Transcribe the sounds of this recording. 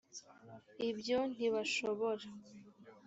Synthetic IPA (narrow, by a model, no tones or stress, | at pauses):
ibjo̞n̥iβaʃoβo̞ɾa